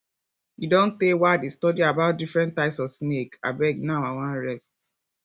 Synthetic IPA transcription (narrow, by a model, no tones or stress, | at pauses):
judɔ̃ntewaɪdestɔdiabaʊt̚difɹɛ̃ntːaɪpsɔvsneka̰bɛɡ̚naʊawãnɹɛst